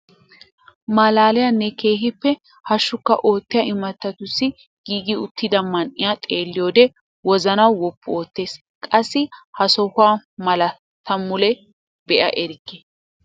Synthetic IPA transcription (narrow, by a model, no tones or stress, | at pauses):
mɐlaːlɪjɐnːɛke̞ːɦɪpːɛ | hɐʃːʊkːɐ̰ʔo̞ːt̪ːɪjɐʔɪmɐt̪ːɐt̪ʊsːɪ | ɡ̥iːɡɪʊt̪ːɪd̪ɐmːɐnʔɪjat̪ʼeːlːɪjoːd̪ɛ | wɔzɐnɐwwɔpːʊo̞ːt̪ːe̞ːs | kʼɐsːɪhɐsɔhʊaːmɐlɐ | t̪ɐmːʊlɛ | bɛʔɐ̰ʔɛɾɪkːe